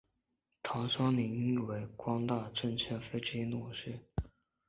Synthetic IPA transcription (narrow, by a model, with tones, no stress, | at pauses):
t̪ʰɑ˧˥ŋʂwɑ˥ŋni˧˥ŋi˥i˥˩we˧˥ɪkwɑ˥ŋt̪a˥˩ʈ͡ʂə˥˩nt͡ɕʰə˥nfe˥ɪʈ͡ʂi˥˩˧nu˥˩ʂɻ̩˥˩